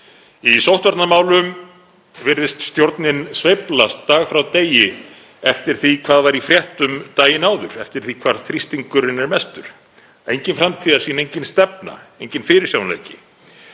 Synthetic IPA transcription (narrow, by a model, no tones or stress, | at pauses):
isowht̪vaɾt̪namaːwlʏm | vɪɾðɪst̪st̪jowɾt̪nɪnsvejplast̪ːaːɣfɾawt̪eːjɪ | ɛft̪ɪɾ̥θikʰvaːðvaɾifɾjɛht̪ʏmt̪aːjɪnaːwðʏɾɛft̪ɪɾ̥θikʰvaːɾ̥θɾist̪iŋkʏɾɪnɛɾmɛst̪ʏɾ̥ | ejɲcɪnfɾamt̪ʰiːðaɾ̥siːnejɲcɪnst̪ɛp̚na̰ejɲcɪnfɪːɾɪɾ̥sawnlḛːjcɪ